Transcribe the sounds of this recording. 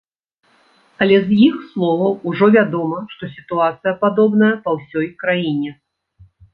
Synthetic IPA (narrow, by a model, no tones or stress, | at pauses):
ɐlʲɛzjixslˠɔvɐwuʐɔvʲad̪ɔmɐʂt̪ɔsʲit̪uat̪sɨjɐpad̪ɔbnɐjɐpɐwsʲɔjkɾajinʲɛ